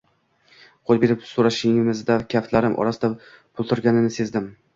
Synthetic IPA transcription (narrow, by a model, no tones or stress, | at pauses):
qʰolˠbe̞ɾɪpsoɾaʃɪŋɪmɪzd̪akʲʰaft̪laɾɪmʔɒ̰ɾasɪd̪a | pʰʊlˠt̪ʰʊɾɡʲanɪnɪse̞zd̪ɪm